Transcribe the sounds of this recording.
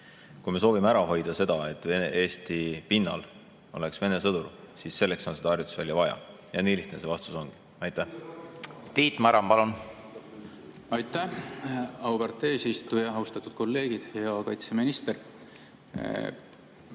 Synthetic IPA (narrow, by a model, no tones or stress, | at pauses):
kujme̞s̬o̞ːvimeæɾɑɦo̞jd̪̥ɑse̞d̪̥ɑe̞t̪ːˑee̞ːst̪ipinːɑ̰l | o̰le̞ksve̞ne̞sɤd̪̥ursiːsːe̞lːe̞kso̞nse̥ɑɑrjut̪ːˑu̥svæljɑvɑjɑ̰ | jɑniliht̪nese̞vɑst̪uso̞ŋɡ̥i̥ | ɑjt̪ːˑæh | t̪iːt̪ːˑmæɾɑmpɑlun | ɑjt̪ːæ | ɑwbeɾt̪ˑːe̞ːsist̪ujɑɦɑust̪ɑt̪ːˑud̪̥̚ko̞lːe̞ːɡ̥id̪̥heɑkɑjt̪se̞minist̪eɾ